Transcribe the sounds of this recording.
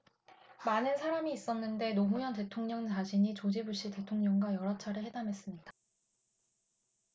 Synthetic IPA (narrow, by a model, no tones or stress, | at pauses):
manɯnsʰaɾamiːs͈ʌnːɯnde̞nomujʌnte̞tʰoŋɲʌŋt͡ɕaɕʰiɲit͡ɕod͡ʑibuɭɕ͈ite̞tʰoŋɲʌŋɡwajʌɾat͡ɕʰaɾɯeɭhɦe̞damɦe̞s͈ɯmɲid̥a